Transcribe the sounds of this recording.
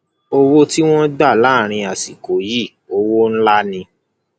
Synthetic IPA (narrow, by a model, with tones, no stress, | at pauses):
o˧wo˦ti˦w̃ɔ̃˦da˦˨la˦˨ɾ̃ĩ˧a˨si˨ko˨˦ji˦˨ | o˦wo˦n̩˦la˦nĩ˧